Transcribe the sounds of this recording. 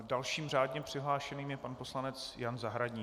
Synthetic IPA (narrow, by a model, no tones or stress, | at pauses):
dalʃiːmr̝aːdɲɛpr̥ɪɦlaːʃɛniːmjɛpanpo̞slanɛt͡sjanzaɦɾaɟɲiː